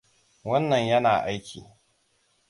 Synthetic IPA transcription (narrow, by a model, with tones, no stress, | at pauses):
wɐ˦nːɐ˨ɲjɐ˦na̰ː˨ʔa˦jkʲʰiː˨